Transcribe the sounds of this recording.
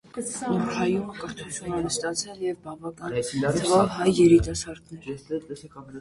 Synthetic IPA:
ɔɾhɑjuməkəɾt̪ʰut͡ʃʰunɛnəst̪ɑt͡sʰɛljɛvbɑvɑkɑnɛiəvɑvhɑjːɛɾit̪ɑsɑɾd̪nɛɛsɛt̪ɛsɛ

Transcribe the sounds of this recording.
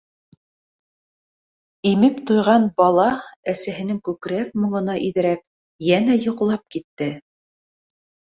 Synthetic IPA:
imɘpt̪ojʁɑnbɑlˠɑæsæɦɘ̆nɘŋkʉkɾæk̚mŏɴɤ̆nɑʔiðɘ̆ɾæp̚ | jænæjŏqlˠɑp̚kit̪ːɘ

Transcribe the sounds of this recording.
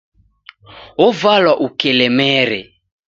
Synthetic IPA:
ɔvalwaʔukɛlɛmɛɾɛ

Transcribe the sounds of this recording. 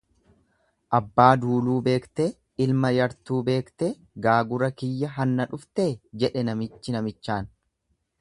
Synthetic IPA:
ʔɐbːaːd̪uːluːbe̞ːkt̪e | ɪlmɐjɐɾt̪uːbe̞ːkt̪e | ɡaːɡʊɾɐkɪjːɐɦɐnːɐᶑʊft̪eːd͡ʒɛᶑɛnɐmɪt͡ʃːɪnɐmɪt͡ʃːaːn

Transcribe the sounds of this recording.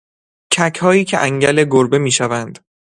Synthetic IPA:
cʰæcʰhɒːjiːcʰeʔæŋɟæle̞ɡoɾbe̞miːʃævænd̪̥

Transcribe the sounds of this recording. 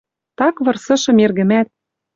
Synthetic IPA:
t̪ɑkβɤ̆rsɤ̆ʃɤ̆merɣɘ̆mæt̪̚

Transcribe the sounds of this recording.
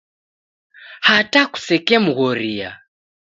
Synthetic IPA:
hataku̥sɛkɛmuɣɔɾia̰

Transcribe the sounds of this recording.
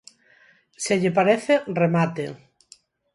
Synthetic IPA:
seʎepaɾeθeremat̪e

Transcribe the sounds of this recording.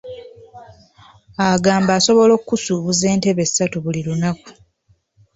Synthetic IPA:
aɡaːmbaːso̞βo̞lo̞kːusuːβuze̞ːnte̞βe̞sːatuβulilunaku̥

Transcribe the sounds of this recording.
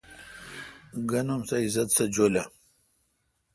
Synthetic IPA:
ɡɐnɐmsaizɐt̪sɐd͡ʑola

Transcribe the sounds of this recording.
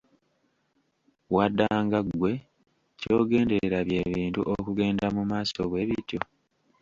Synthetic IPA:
wadːaːŋɡaɡwe̞ | co̞ːɡe̞ːnde̞ɾeɾaβje̞βiːntṵʔokuɡe̞ːndamumaːsoɡwe̞βitjo

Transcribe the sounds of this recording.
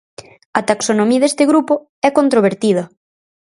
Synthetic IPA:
ɐt̪aksonomiɐðest̪ɪɣɾupo | ɛkont̪ɾoβ̞eɾt̪ið̞ɐ

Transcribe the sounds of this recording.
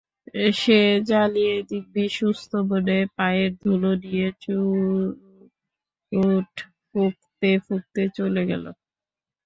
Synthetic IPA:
eʃed͡ʑalied̪ik̚biʃust̪ʰoboɖepaeɾd̪ʱulonijet͡ɕu | uʈ | fuk̚t̪efuk̚t̪et͡ɕoleɡɛ̰lo̰

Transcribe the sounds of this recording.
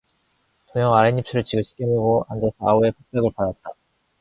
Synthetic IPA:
toŋjʌŋaɾeɲip̚s͈ʰuɾɯɭt͡ɕiɡɯɕʰi̥k͈emɯɡoand͡ʑesʰaue̞pʰok̚p͈ʌɡɯɭpadat̚t͈a

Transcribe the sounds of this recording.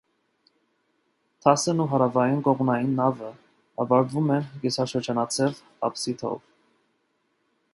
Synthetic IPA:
t̪ʰɑsənuɦɑɾɑvɑjinkɔʁnɑjinːɑvə | ɑvɑɾd̪vumɛnɡisɑʃəɾd͡ʒɑnɑt͡sʰɛv | ɑ̰psit̪ʰɔ̰v

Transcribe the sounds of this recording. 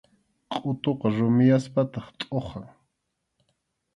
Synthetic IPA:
qʼʊt̪oqɑɾʊmɪjaspat̪ɑχt̪ʼoχɑŋ

